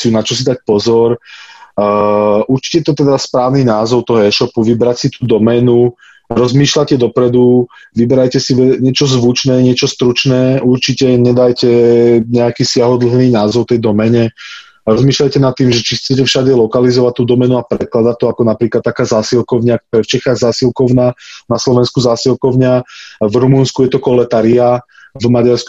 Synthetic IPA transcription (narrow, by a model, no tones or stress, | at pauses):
iunat͡ʃɔs̬id̪ac̚pɔzɔɾ | ʔuɾt͡ʃi̥cɛɛt̪ɔt̪ɛd̪aspɾaːʊninaːzɔʊt̪ɔɦɔɛʃɔpuʋibɾacsit̪uːd̪ɔmɛnu | ɾɔzmiːʃlacɛd̪ɔpɾɛd̪u | ʋibɛɾajcɛsiʋɛɲɪɛt͡ʃɔzʋut͡ʃnɛːɲɪɛt͡ʃɔst̪ɾut͡ʃnɛːʔuɾt͡ʃicɛɲɛd̪ajcɛɲɛakiːsɪaɦɔd̪l̩ɦniːnaːzɔʊt̪ɛjd̪ɔmɛɲɛ | ɾɔzmiːʃlajcɛnat̪ːiːmʒɛt͡ʃixt͡sɛcɛfʃaɟɛlɔkalizɔʋac̚t̪ːuːd̪ɔmɛnuapɾɛklad̪at̪ɔakɔnapɾiːklad̪t̪ːakaːzaːsilkɔʊɲɪak̚t̪ɔɾɛft͡ʃɛxaːɣzaːsilkɔʊnaːnaslɔʋɛnskuzaːsilˠkɔʊɲɪavɾumunskujɛt̪ɔkɔlɛt̪aːɾia | vmaɟaɾsk